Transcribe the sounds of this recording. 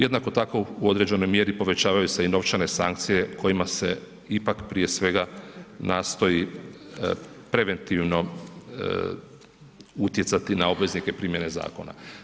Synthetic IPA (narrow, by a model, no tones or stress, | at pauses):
je̞d̪nako̞t̪ako̞uo̞d̪ɾe̞d͡ʑe̞no̞jmje̞ɾipo̞ʋe̞t͡ɕaːʋajuse̞ino̞ʋt͡ʃane̞sa̰ŋk̚t̪sije̞kʰo̞jimase̞ | ipakpɾije̞sʋe̞ɡanaːst̪o̞ji | pɾe̞ʋe̞nt̪iʋno̞ | ut̪je̞t̪sat̪inao̞bʋe̞znike̞pɾiːmje̞ne̞za̰ːko̞̰na̰